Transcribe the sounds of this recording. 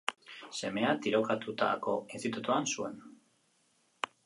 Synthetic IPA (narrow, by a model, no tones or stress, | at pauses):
se̞me̞at̪iɾo̞kat̪ut̪a̰ko̞est̪it̪ut̪uansue̞n